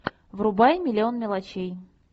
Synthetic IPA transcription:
vrʊbajmʲɪlʲɪo̞nmʲɪlˠɐt͡ɕej

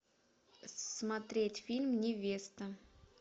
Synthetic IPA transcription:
smɐt̪ɾʲetʲfʲilʲmnʲɪvʲest̪ə

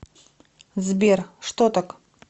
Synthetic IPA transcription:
zbʲerʂt̪ot̪ak

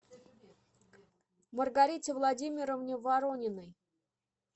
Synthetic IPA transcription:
mərɡaɾʲitʲɪvlˠadʲimʲɪɾəvnʲɪvaɾonʲɪnəj

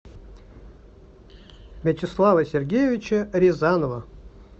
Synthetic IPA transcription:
mʲɛtʲɪslˠavəsʲerɡʲejevʲɪt͡ɕəɾʲɪzanovə

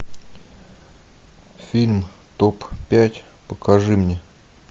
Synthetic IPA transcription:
fʲilʲm | t̪oppʲːætʲ | pəkɐʐɨmnʲe

